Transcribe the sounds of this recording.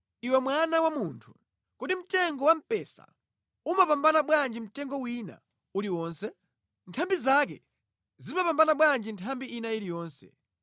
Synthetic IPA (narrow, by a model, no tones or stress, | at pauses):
iwɛmwanawamuntʰu̥ | kutim̩tɛŋɡɔwam̩pɛsa̰ | umapambanaɓwand͡ʒim̩tɛŋɡɔwina̰ | uɾiwɔːnsɛ | ntʰambizak̬ɛ̰ | zimapambanaɓwand͡ʒintʰambiinailijɔːnsɛ̰